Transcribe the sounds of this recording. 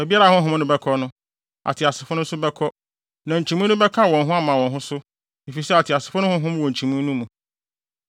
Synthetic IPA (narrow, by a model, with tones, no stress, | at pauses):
ɛ˨bi˦a˦ɾa˨hʊ̃˦ɦʊ̃˦mnʊ̃˦bɛ˦kʰɔ˦nʊ̃˦ | a̰˨tʰɪ˨a˨sɪ˨fʊ˦nʊ̃˦n˦sʊ˦bɛ˦kʰɔ˦ | nã˨ɲ̩˨t͡ɕʰĩ˨mũ˦nũ˦bɛ˦kʰa˦wɔ̃˨nɦʊ̃˦a˦mã˨wɔ̃˨nɦʊ̃˦sʊ˦ | e˨fi˨sɛ˦a˨tʰɪ˨a˨sɪ˨fʊ˦nʊ̃˦hʊ̃˦ɦʊ̃˦m˦wɔ̃˨ɲ̩˨t͡ɕʰi˨mũ˦nũ˦mũ˨